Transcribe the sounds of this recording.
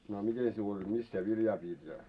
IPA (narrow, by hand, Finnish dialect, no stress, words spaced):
no ɑ mite siul olʲ mis sie ʋiljɑː piːt jɑ